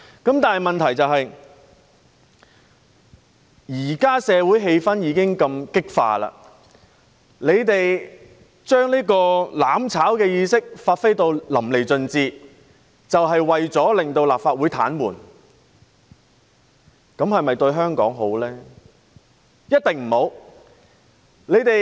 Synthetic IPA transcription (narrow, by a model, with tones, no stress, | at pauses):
kɐ˨˥mt̪aː˨nɦmɐ˨nt̪ʰɐ˨˩jt͡sɐ˨wɦɐ˨j | jiː˨˩kaː˥sɛː˨˧wuː˨˥jɦe˧jfɐ˥njiː˨˧kɪ˥ŋkɐ˧mkɪ˥k̚fa̰ː˧la̰ː˧ | le˨˧jt̪e˨j | t͡ʃœː˥ŋliː˥kɔː˧laː˨˥mt͡sʰaː˨˥wkɛː˧jiː˧sɪ˥k̚faː˧t̚fe˥jt̪o˧wlɐ˨˩mle˨˩jt͡sɵ˨˧nt͡siː˧ | t͡sɐ˨wɦɐ˨jwɐ˨jt͡sɔː˨˥lɪ˨ŋt̪o˧wlaː˨p̚faː˧t̚wuː˨˥jt̪ʰa̰ː˨˥nmṵː˨˩n | kɐ˨˥mhɐ˨jmɐ˨jt̪ɵ˧ɥɦœː˥ŋkɔ̰ː˨˥ŋɦo̰˨˥wlɛː˥ | jɐ˥t̪̚ɪ˨ŋm̩˨˩ho˨˧˥w | le˨˧jt̪e˨